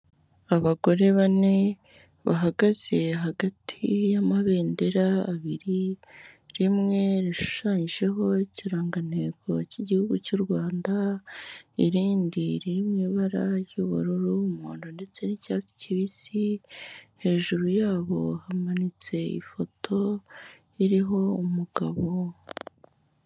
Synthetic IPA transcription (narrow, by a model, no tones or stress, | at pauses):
aβaɡo̞ɾe̞βane̞ | βaɦaɡaz̥e̞ɦaɡatʰijamaβe̞ːnde̞ɾaːβiɾi | ɾimŋe̞ɾiʃu̥ʃaːɲiʒe̞ɦo̞ciɾaːŋɡaneːkʰo̰ciɟihuɡucuɾɡwaːnda | iɾiːndiɾiɾimɲiβaɾajuβṵɾuɾuumuːndonde̞t͡se̞nicaːt͡si̥ciβisi | he̞ːʒuɾujaːβo̞̰hamanit͡se̞ḭfo̞tʰo̞ | iɾiɦo̞umuɡ̥aβo̞